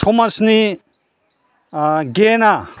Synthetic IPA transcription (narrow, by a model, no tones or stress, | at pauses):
tʰomɐsni | ɡena